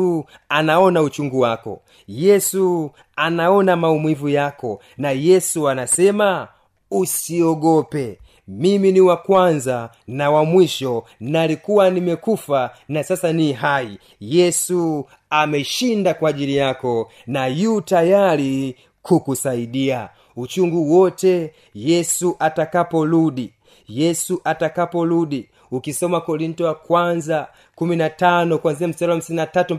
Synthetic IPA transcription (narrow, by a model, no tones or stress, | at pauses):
anaɔnaut͡ʃuŋɡuwakɔ̰ | jɛsu | anaɔnamaumwivujakɔ | najɛsuanasɛma | usiɔɡɔpɛ | miminiwakwanza | nawamwiʃɔnaːlikuwanimɛkufanasasaniɦai | jɛsu | amɛʃindakwaːʄilijakɔ | najuːtajali | kukusaiɗia | ut͡ʃuŋɡuwɔtɛ | jɛsuʔatakapɔluɗi | jɛsuʔatakapɔluɗi | ukisɔmakɔɾintɔwakwanza | kuminatanɔkwanziam̩sɛɾɔwam̩sininatatu